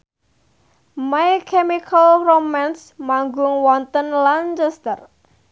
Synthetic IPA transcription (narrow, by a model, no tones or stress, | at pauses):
majkʰɛmikʰəlromansmaŋɡʊŋwɔnt̪ənlant͡ʃɛst̪ər